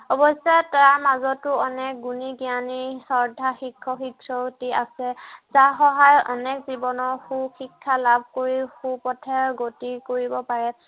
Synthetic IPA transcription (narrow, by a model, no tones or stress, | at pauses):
ɔbɔsɛtaɹmazɔtːʊɔnɛk̚ɡuniɡianisɔɹdʱaxikʰːɔxikʰɹɔtiasɛzaxɔɦajʔɔ̰nɛkzibɔnɔɹxuxikʰːalab̚ʱkoɹixupɔtʰɛɡotikoɹibɔpaɹɛ